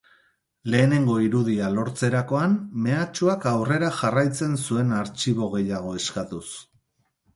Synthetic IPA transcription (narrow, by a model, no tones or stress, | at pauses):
le̞ːne̞ŋɡo̞iɾuð̞ialo̞ɾt͡se̞ɾako̞anme̞at͡ʃuakawre̞ɾaʝarajt͡se̞nsue̞naɾt͡ʃiβo̞ɣ̞e̞jaɣ̞o̞e̞skat̪us